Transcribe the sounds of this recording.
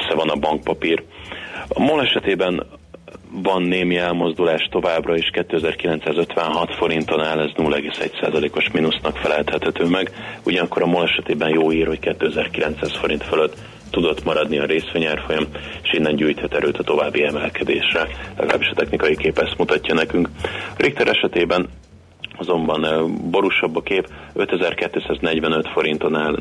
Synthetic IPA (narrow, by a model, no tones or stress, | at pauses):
sːɛvɒnɒbɒŋk̚pɒpiːr | ɒmolɛʃɛt̪eːbɛn | vɒnːeːmiɛlmo̞zd̪ulaːʃt̪ovaːbrɒeːʃkɛt̪ːøːɛzɛrkilɛnt̪saːzø̞t̪ʋɛnɦɒt̪fo̞ɾint̪o̞naːlɛznuːlːɛɡeːsɛ̰csa̰ːzɒleːko̞ʃminusnɒkfɛlɛlt̪hɛt̪hɛt̪øːmɛɡuɟɒnɒkːo̞ɾɒmolɛʃɛt̪eːbɛnjoːiːrho̞ckɛt̪ːøːɛzɛrkilɛnt̪saːsfo̞ɾint̪følø̞t̪ː | ud̪o̞t̪mɒɾɒd̪niɒɾeːsʋeɲaːrfo̞jɒmeʃinːɛnɟuːjt̪hɛt̪ɛɾøːt̪ɒt̪o̞vaːbːiɛmɛlkɛd̪ḛːʃrɛllɛ̰ɡɒla̰ːbiʃɒ̥t̪ɛxnikɒjikeːpɛst̪mut̪ɒcːɒnɛkyŋkɒɾikt̪ɛɾʔɛʃɛt̪eːbɛn | ɒzo̞mbɒnbo̞ɾuʃɒbːɒkeːpø̞̰t̪ɛzɛrkɛt̪ːøːsaːznɛɟvɛnø̞t̪fo̞ɾint̪o̞naːl